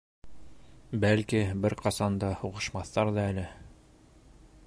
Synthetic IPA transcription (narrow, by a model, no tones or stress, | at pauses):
bælkibɘɾqɑsɑnd̪ɑhuʁɤ̆ʃmɑθːɑɾðɑælɘ